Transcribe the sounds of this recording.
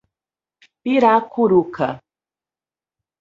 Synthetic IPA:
pɪɾaːkʊɾukʰa

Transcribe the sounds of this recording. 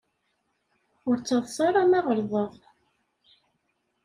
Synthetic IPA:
ʊɾt͡sːɑðˤsɑɾˤɑmɑʁəɾðˤəðˤ

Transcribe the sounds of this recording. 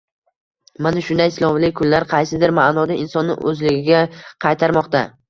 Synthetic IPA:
manaʃʊnd̪ajslˠɒmlɪkʰʊnlaɾqʰɑjsɪd̪ɪɾmanɒd̪aɪnsɒnːɪ̰ʔɵzlɪɡʲɪɡʲaqʰɑjt̪ʰaɾmɒqt̪a

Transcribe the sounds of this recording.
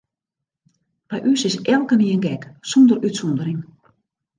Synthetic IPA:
b̥ɛjʔysɪsɛlˠkəniənɡɛksɔndərytsɔndəɾɪŋ

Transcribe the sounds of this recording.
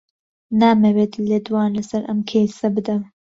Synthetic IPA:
naːmɐweːt̪led̪wɑːnlɐsɐɾʔɐ̰mkʲʰejsɐbɨd̪ɐm

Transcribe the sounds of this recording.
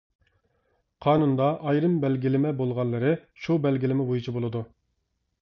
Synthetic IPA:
qʰɑːnund̪ɑʔɑjɾɨmbɛlɡʲilɪmɛbolˠʁɑnlːˠɨɾɨʃubɛlɡʲilɪmɪbojut͡ʃʰibolˠɨd̪u

